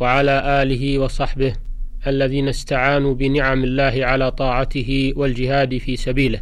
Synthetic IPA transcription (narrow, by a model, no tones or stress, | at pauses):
waʕalaːʔaːlɪɦɪwɑsˤɑħbɪhʔalːaðiːnast̪aʕaːnuːbɪnɪʕamɪlːaːɦɪʕalaːt̪ˤɑːʕat̪ɪɦɪwald͡ʒɪɦaːd̪fiːsabiːlɪh